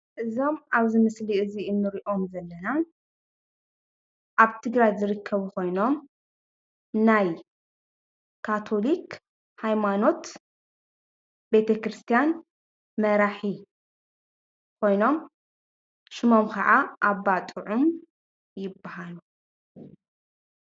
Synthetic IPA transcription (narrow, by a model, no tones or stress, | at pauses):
ʔɨzo̞maβzimɨsliɨziɨnːɨɾiʔo̞mzɐlːɐna | ʔaβt̪ʰɨɡɾajzɨɾɨkʰːɐβuko̞jno̞m | naj | kʰat̪ʰo̞lik | hajmano̞t̪ | be̞t̪ʰɐkɾɨst̪ʰijan | mɐɾaħi | kʰo̞jno̞m | ʃɪmo̞mkʰɐʕaʔaβːat̪ʼɨʕum | jɪbːahalu